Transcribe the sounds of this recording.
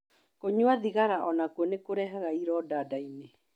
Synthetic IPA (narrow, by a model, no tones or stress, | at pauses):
koɲwaðiɣaɾaʔɔnakuɔnekoɾɛɦaɣaiɾɔdaːdaine